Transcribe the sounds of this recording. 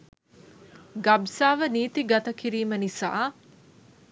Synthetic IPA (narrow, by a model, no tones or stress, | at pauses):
ɡabsaːʋəniːt̪iɡat̪əkiɾiːmənisa̰ː